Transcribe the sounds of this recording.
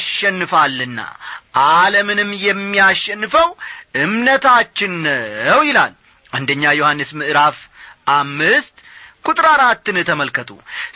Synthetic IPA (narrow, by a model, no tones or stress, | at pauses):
ʃɛnːɨfalːɨnːa̰ʔaləmɨnɨmːjɛmːijaʃːɛnːɨfəwʔɨmnət̪ʰat͡ʃːɪnəwjɪla̰l | ʔand̪əɲːajohanːɨsmɨʔɨɾafʔamːɨst̪kʰut̪ʼɾaɾat̪ːɨnɨt̪ʰəməlkət̪ʰʼṵ